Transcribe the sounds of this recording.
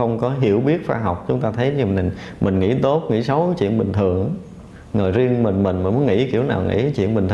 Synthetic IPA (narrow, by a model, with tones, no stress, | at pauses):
xə˧wŋ͡mkɔ˨˦ɦḭ˧˩əwɓi˦˥ət̚faː˧ɦa˨˩wk͡p̚t͡ɕʊ˨˦ŋ͡mt̪aː˧t̪ʰə˨˦jɲɨ˧˨˩ŋmʔï˨˩ŋ̟ŋḭ˧˥t̪o˦˥p̚ŋḭ˧˥sə˨˦wt͡ɕḭ˧˨ənɓï˨˩ŋ̟t̪ʰɨ˨˩əŋ | ŋəː˨˩jzi˧əŋmï˨˩ŋ̟mï˨˩ŋ̟mi˨˩mu˨˦nŋḭ˧˥kḭ˧˩əwna̰ː˨˩wŋḭ˧˥t͡ɕḭ˧˨ənɓï˨˩ŋ̟t̪ʰ